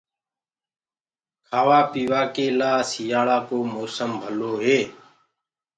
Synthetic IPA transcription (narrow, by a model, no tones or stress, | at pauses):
kʰaːʋaːpiːʋaːkeːlaːsijaːɭaːkoːmoːsəmbʱəloːɦeː